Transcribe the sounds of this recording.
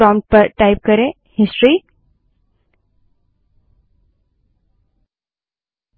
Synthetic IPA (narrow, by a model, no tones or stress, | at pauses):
ɔmʈ̚pəɾʈaɪp̚kəɾe | hɪsʈɾi